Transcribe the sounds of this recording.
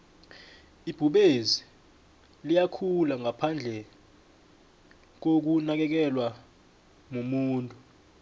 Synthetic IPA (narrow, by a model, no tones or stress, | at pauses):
ib̥ʱuɓezi | lijakʰulaŋapʰand͡ɮʱɛ | k̬ok̬unak̬ɛk̬ɛlwa | mumuːntʼu